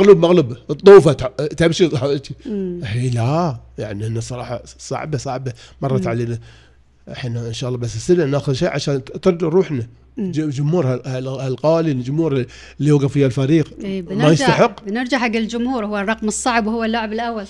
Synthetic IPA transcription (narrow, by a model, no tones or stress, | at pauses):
ɣluːbmaɣlabt̪ˤːuːfat̪t̪abʃisˤħbat̪ihiːlaja̰ʕniʔɪnːasˤɑɾˤɑːħɑ̰sˤɑ̰ʕbasˤɑʕbamɑrˤːɑt̪ʕaleːna | ʔħinaʔɪnʃaːʔlːɑːbasɪsɪnanaːxʊðʃḛːʕaʃaːnt̪ɪɾˤd̪ɾˤuːħna | d͡ʒd͡ʒʊmhuːɾhahalhalqɑːlild͡ʒʊmhuːɾ | lːiwaɡfihalfaɾiːqːmajɪst̪aħɪqːbnɪɾˤd͡ʒaʕħaɡːɪld͡ʒʊmhuːɾhʊwːarˤːɑqmɨsˤːɑʕbwhʊwːalːʊʕɪbɪlʔawːal